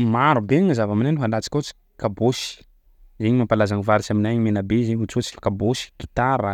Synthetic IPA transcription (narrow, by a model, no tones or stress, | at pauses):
maɾubeŋəzavaminajniɦand̪at͡si̥kʲot͡si̥ | kaboʃi̥ | zeɲimampalazaŋivaɾit͡ʃaminajɲimenabezeɲut͡sut͡si̥kaboʃi̥ɡ̥it̪aɾa